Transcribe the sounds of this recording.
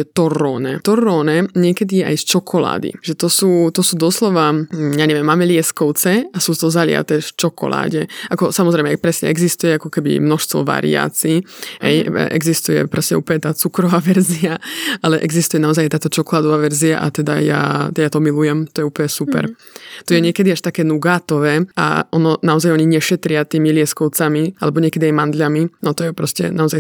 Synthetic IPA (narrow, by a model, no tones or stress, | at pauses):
ɛt̪ɔɾɔːnɛt̪ɔɾːɔːnɛɲɪɛkɛd̪ijɛʔa̰jst͡ʃɔkʰɔla̰ːd̪ḭʒɛt̪ɔsuːt̪ɔsuːd̪ɔslɔʋajaɲɛʋjɛmːamɛlɪɛskɔʊt͡sɛasuːt̪ɔzalɪa̰t̪ɛft͡ʃɔkɔ̰la̰ːɟɛʔakɔsamɔzɾɛjmɛpɾɛsɲɛ̰ʔɛɡzist̪ujɛakɔkɛbḭmnɔʃst̪ʋɔ̰ʋa̰ɾḭa̰ːt͡siːɦɛjʔɛ̰ɡzist̪ujɛ̰pɾɛsɲɛ̰ʔuːpɲɛt̪aːt͡sukɾɔʋaːʋɛɾziaʔalɛʔɛɡzist̪ujɛnaɔzajat̪aːt̪ɔt͡ʃɔkɔlaːd̪ɔʋaːʋɛɾzia̰ʔa̰t̪ɛd̪a̰ja̰t̪ɛjat̪ɔmilujɛmt̪ɔjɛuːpɔɲɛsupɛ̰ɾ | t̪ɔjɛɲɪɛkɛd̪iaʃt̪akɛːnuɡaːt̪ɔʋɛːa̰ɔnɔnaɔzajɔɲiɲɛʃɛt̪ɾɪat̪iːmilɪɛskɔʊt͡samiʔalɛbɔɲɪɛkɛd̪iajmand̪ʎaminɔt̪ɔjɛpɾɔscɛ̰naɔzaj